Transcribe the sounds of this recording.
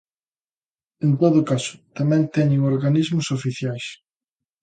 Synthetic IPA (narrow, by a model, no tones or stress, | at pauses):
ẽnt̪oðʊkasʊ̥t̪amɛ̃nt̪ɛɲeŋoɾɣanizmʊsofiθjajs